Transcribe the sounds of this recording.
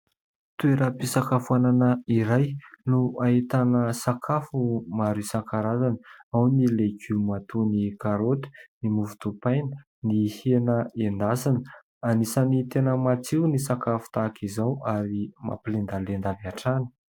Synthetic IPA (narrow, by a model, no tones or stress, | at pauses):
t̪ueɾəpisakafuananəiɾajnuait̪anəsakʰafumaɾisaŋkaɾazanəawnilekʰumat̪unikaɾot̪i̥nimuvu̥t̪upajnə | nihenəend̪asanə | anisanit̪enəmat͡siwnisakafu̥t̪akizawaɾima̰pilend̪alend̪avaʈ͡ʂanə̥